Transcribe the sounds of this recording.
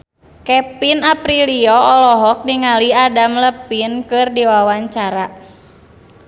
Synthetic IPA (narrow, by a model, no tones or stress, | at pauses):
kɛpinapɾiliɔɔlɔɦɔk̚niŋaliadamləpinkɨrdiwawaɲt͡ʃaɾa